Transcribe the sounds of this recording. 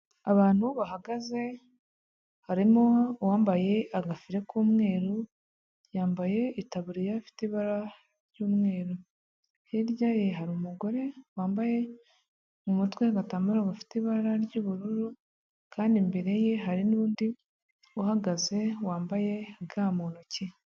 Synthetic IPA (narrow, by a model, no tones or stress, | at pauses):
aβaːn̥huβaɦaɡaze̞ | haɾimowaːmbaje̞aɡafiɾe̞kuːmŋe̞ːɾu | jaːmbaje̞itaβuɾijafi̥tiβaɾa | ɾjuːmŋe̞ːɾo | hiɾɟaje̞ɦaɾumuɡo̞ɾe̞waːmbaje̞ | umutweaɡatamuɾoɡafi̥tiβaɾaɾɟuːβuɾuɾu | kaːndimbe̞ɾe̞je̞ɦaɾinuːndi | uhaɡaze̞waːmbaje̞ɡaːmuːnoci